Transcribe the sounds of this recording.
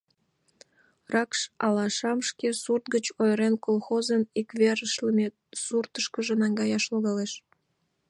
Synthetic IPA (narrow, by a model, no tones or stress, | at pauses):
rɑkʃɑlɑʃɑmʃkesurt̪̚ɡət͡ɕojɾenkolxozənikβeɾəʃləmʲe | surt̪əʃkəʒenɑŋɡɑjɑʃloɣɑleʃ